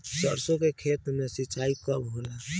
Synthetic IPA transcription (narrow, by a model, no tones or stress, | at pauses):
səɾsokekʰet̪mesit͡ʃaikəbʱɦola